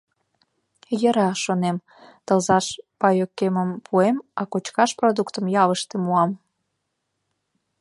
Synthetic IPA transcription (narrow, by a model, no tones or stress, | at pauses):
jəɾɑʃonem | t̪ə̆lzɑʃpɑjokːeməmpʰuemɑkot͡ɕkɑʃprod̪ukt̪əmjɑβəʃt̪emuɑm